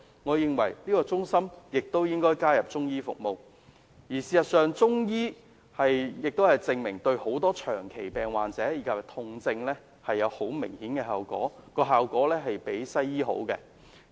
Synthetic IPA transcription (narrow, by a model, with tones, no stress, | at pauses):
ŋɔː˨˧jɪ˨ŋwɐ̰˨˩jliː˥kɔː˧t͡sʊ˥ŋsɐ˥mjɪ˨k̚t̪o˥wjɪ˥ŋkɔː˥jkaː˥jɐ˨p̚t͡sʊ˥ŋjiː˥fʊ̰˨k̚mo˨w | jiː˨˩siː˨sɐ˨t̚sœː˨ŋt͡sʊ˥ŋjiː˥ | hɐ˨jjɪ˨k̚t̪o˥whɐ˨˩jt͡sɪ˧ŋmɪ˨˩ŋt̪ɵ˧ɥho˨˥wt̪ɔː˥t͡ʃʰœː˨˩ŋkʰe˨˩jpɛː˨˩ŋwaː˨nt͡sɛː˨˥jiː˨kʰɐ˨p̚t̪ʰʊ˧ŋt͡sɪ˧ŋlɛː˥ | hɐ˨jːɐ˨˧who˨˥wmɪ˨˩ŋhiː˨˥nkɛ˧ɦɐː˨wkɔ̰ː˨˥kɔː˧ɦaː˨wkʷɔː˨˥lɛː˥ɦɐ˨jpe˨˥jsɐ˥jːiː˥ɦo̰˨˥wkɛ̰˧